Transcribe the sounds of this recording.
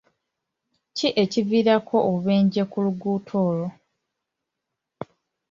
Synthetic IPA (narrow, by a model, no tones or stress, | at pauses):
ciʔe̞civiːɾakʰo̞oβe̞ːɲɟekuluɡuːtʰo̞ːlo̞